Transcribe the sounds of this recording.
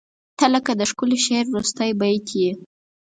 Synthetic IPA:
t̪aləkad̪əʃkʊleʃeɾːust̪əjbajt̪ʰje

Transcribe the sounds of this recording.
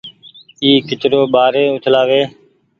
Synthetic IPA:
iːkɪt͡ʃɾoːɓaːɾeːʊt͡ʃ̪ʰlaːʋeː

